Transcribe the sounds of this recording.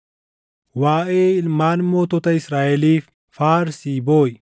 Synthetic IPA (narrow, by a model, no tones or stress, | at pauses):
waːʔeːɪlmaːnmoːt̪ɔt̪ɐɪsɾaːʔɛliːf | faːɾsiːboːj